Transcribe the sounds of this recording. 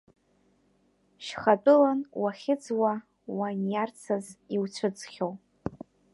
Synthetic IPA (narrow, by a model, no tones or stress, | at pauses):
ʃχat͡pʼʊlanwaχʲɪt͡swa | wanjart͡sʰaziwt͡ʃʷʰɨd͡zʰʼχʲow